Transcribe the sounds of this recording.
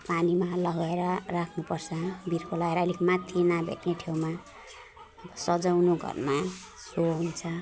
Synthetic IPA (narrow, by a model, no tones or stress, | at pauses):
panimalʌɡʌeɾʌrakʰnupʌrt͡sʰʌbirkolaɡeɾʌlikmat̪ʰːinabʱḛʈneʈʰewma | ʌbʌsʌd͡zawnoɡʱʌ̰rma | soɦunt͡sʰʌ